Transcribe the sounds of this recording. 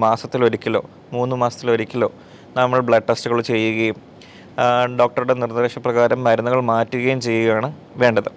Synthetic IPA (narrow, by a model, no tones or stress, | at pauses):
maːsɐt̪ːilo̞ɾikʲːilo̞ː | muːnːɨmaːsɐt̪ːilo̞ɾikʲːilo̞̰ː | nɐmːɐɭbɭɐʈːɐstuɣɐɭut͡ɕe̞jːuɣɐjum | ɖo̞ːk̚ʈɐɾuɽe̞nirndrɾeːʂɐprɐɣaːɾɐmːɐɾunːɐɣɐɭmaːtːuɣɐjumt͡ɕe̞jːuɣɐjaːɳɨ | ʋe̞ːɳɖɐðɨ